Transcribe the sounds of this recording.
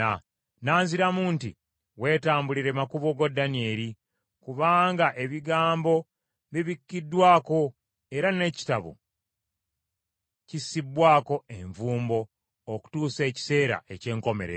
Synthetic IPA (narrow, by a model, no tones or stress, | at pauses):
a | naːnziɾamuːntḭ | we̞ːtaːmbuliɾemakuβoɡodːanie̞ɾi | kuβaːŋɡaʔe̞βiɡaːmbo̞ | βiβikːidːwaːko̞ | e̞ɾane̞ːci̥taβo̰ | cisibwaːko̞e̞ɱvuːmbo̞ː | ku̥tuːse̞ːci̥se̞ːɾa̰ʔe̞ce̞ːŋko̞me̞ɾḛ